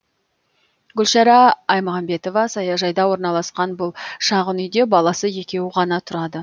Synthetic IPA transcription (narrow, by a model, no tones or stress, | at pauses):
ɡʲʏlʃɑɾɑɑjmoʁɑmbe̞t̪o̞vɑsɑjɑʒɑjd̪ɑwo̞ɾnɑlˠɑsqɑnbʊlˠʃɑʁənʏjd̪e̞bɑlˠɑsəje̞kʲe̞wɪʁɑnɑt̪ʰʊɾɑd̪ə